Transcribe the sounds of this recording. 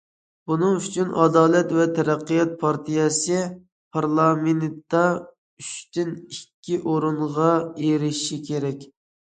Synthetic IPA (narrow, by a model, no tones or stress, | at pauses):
bunɨŋyt͡ʃʰynɑd̪ɑːlˠɛt̪vɛt̪ʰɛɾæqːɨjɑt̪̚pʰɑɾt̪ʰijɛsɨ | pʰɑɾlˠɑmentt̪ːɑ | yʃt̪ynikʲʰːiʔoɾuɴʁɑeɾɪʃʃikʲʰeɾɛkʲ